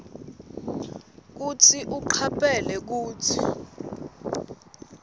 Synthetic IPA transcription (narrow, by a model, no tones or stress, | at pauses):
k̬ut͡sʰiʔuǃʰapʼɛlɛk̬uːtʰi